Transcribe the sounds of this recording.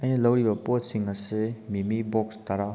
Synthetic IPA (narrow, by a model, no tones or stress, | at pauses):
ɐjnilɐwɾibɐpotsiŋɐsemimibɔkst̪aɾa